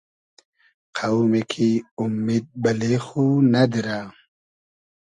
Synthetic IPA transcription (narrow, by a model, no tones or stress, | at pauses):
qʰawmekʰiumːid̪̚bɐlexunad̪iɾa